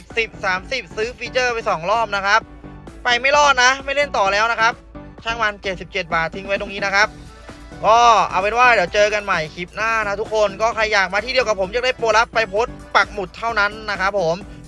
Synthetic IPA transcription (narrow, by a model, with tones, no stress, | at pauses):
si˨˩p̚saː˩˦msi˨˩p̚sɯː˦˥fi˧t͡ɕɤː˥˩pa˧jsɔː˨˩˦ŋlɔː˥˩m̚na˦˥kʰa˦˥p̚ːa˧jma˥˩jlɔː˥˩t̪̚na˦˥ma˥˩jle˥˩nt̪ɔː˨˩lɛː˦˥wna˦˥kʰa˦˥p̚t͡ɕʰaː˥˩ŋmaː˧nt͡ɕe˨˩t̪̚si˨˩p̚t͡ɕe˨˩t̪̚baː˨˩t̪ʰːi˧ŋwa˦˥jdo˧ŋniː˦˥na˦˥kʰa˦˥p̚ | kɔː˥˩ʔa̰˨˧˩wpe˧nwaː˥˩di˩˦wt͡ɕɤː˧ka˧nma˨˩jkʰi˨˩p̚naː˥˩na˦˥t̪ʰu˦˥kʰːo˧nkɔː˥˩kʰɾa˧jːaː˨˩k̚maː˧t̪ʰiː˥˩di˧əwka˨˩pʰːo˩˦mja˨˩k̚daː˥˩jpoː˨˩t̪̚la˦˥pːa˧jpʰoː˦˥t̪̚pa˨˩k̚mu˨˩t̪ʰːa˥˩wna˦˥nːa˦˥kʰa˦˥pʰːo˩˦m